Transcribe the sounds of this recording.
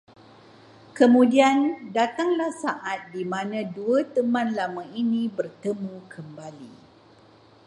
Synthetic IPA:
kəmũdiandat̪aŋlahsaʔat̪̚dimãnãduət̪əmãnlamãinĩbərt̪əmũkʰəmbali

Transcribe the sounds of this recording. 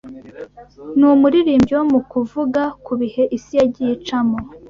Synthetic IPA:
numuɾiɾiːmbɟiwomukuvuɡakuβihe̞ʔisijaɟit͡ʃamo

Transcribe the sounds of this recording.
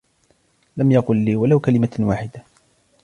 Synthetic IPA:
lamjɑqʊlːiːwalawkalɪmawaːħɪd̪a

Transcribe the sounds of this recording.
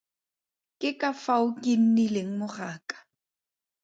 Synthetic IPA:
kʼɪkʼafaʊkʼin̩nilɪŋ̩mʊraːkʼḁ

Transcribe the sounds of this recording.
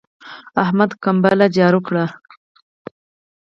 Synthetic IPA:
ahmad̪kambalad͡ʒɑɾukɽa

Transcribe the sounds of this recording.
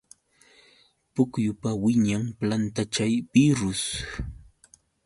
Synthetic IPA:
pʊkjʊpawɪɲaŋplant̪at͡ʃajpɪɾʊs

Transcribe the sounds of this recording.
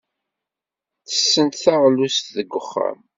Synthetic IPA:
θə̥sːənt̪θaʁlust̪ðəɡːəχːa̰m

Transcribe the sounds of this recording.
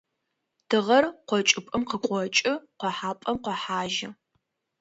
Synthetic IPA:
d̥ɨʁɐrqʷɔt͡ʃʼɪpʼɨmqəqʷʼɔt͡ʃʼɪqʷɔħaːpʼɐmqʷɔħaːʒɪ

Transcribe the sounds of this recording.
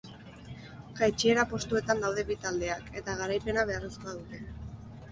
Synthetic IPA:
ɡajt͡ʃieɾapo̞st̪ue̞t̪and̪awðe̞βit̪ald̪e̞ake̞t̪aɣ̞aɾajpe̞naβe̞areskoaðut̪e̞

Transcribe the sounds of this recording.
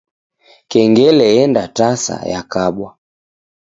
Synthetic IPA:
kɛŋɡɛlɛɛndatasa̰ja̰kaɓwa

